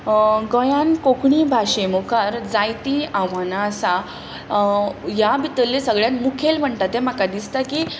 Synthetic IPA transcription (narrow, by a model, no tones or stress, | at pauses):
ɡɔjãnkokɳibʱaɕemokʰaɾd͡zajt̪iamanasa | jabit̪əlːesəɡɭjãnmukʰelm̤əɳt̪at̪em̤akad̪ist̪aki